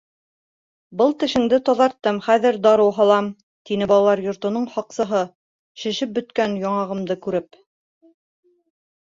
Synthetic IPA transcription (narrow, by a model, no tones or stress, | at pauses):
bɤlˠt̪ɘ̆ʃɘ̆ŋd̪ɘt̪ɑðɑɾt̪ːɤmχæðɘɾd̪ɑɾɤwɦɑlˠɑm | t̪inɘbɑlˠɑlˠɑɾjŏɾt̪ŏnɤɴhɑqsɤ̆ɦɤ | ʃɘ̆ʃɘp̚bɵ̆t̪kænjɑɴɑʁɤ̆md̪ɤkʉɾɘp̚